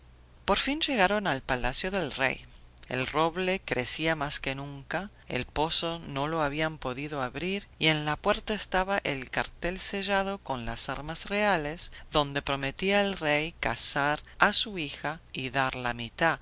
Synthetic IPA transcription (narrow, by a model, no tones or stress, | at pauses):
po̞ɾfinʒeɣaɾo̞nalpalasjoðelrḛjḛlroβlekɾesiamaskenũŋka | ḛlpo̞sono̞loaβiampo̞ðiðo̞aβɾiɾie̞nlapweɾt̪aest̪aβaʔelkaɾt̪elseʒað̞o̞ko̞nla̰saɾmasrealezðo̞nd̪e̞pɾo̞met̪iaelrejka̰saɾasuixaiðaɾlamit̪a